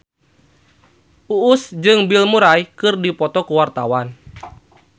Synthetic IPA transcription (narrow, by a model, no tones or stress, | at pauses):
ʔuʔːsd͡ʒɨŋbilmuɾajkɨrdipɔt̪ɔkuwart̪a̰wan